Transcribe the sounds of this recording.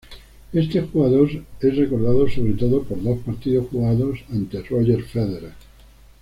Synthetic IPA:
e̞st̪e̞xuɣaðoɾesre̞ko̞ɾðaðoso̞β̞ɾe̞t̪oðopo̞ɾðo̞spaɾt̪iðo̞sxuɣaðo̞sant̪eroʝeɾfeðeɾa

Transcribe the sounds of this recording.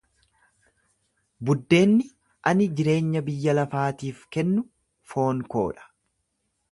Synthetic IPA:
bʊd̪ːe̞ːnːɪ | ʔɐnɪd͡ʒɪɾe̞ːɲːɐbɪjːɐlɐfaːt̪iːfkɛnːʊ | fo̞ːŋko̞̰ːᶑɐ̥

